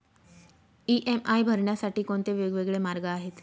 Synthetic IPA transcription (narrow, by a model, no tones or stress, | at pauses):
iʔemaijbʱəɾɳjasaʈiːkoɳt̪eʋeɡʋeɡɭemaɾɡəaɦet̪